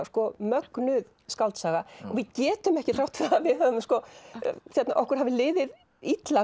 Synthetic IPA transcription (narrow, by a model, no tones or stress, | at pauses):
skɔmœknʏð | skalt̪saːɣaɔɣvɪðcɛːt̪ʏmɛhcɪθrawt̪fɛaavɪðhaðʏmskɔθjɛt̪naʔɔhkʏɾ̥ɦavɪlɪːðɪð | it̪la